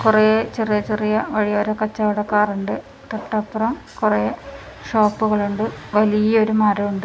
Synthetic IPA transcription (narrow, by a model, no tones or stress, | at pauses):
kuret͡ɕerijɐt͡ɕerijɐʋɐɻijɐɾɐkɐt͡ɕːɐʋɐɽɐkːaːruɳɖɨ | t̪ɐʈːɐpːrɐm | kure | ʂo̞ːpːuɣɐɭuɳɖɨʋɐlijɐo̞ɾumaːɾɐuɳɖɨ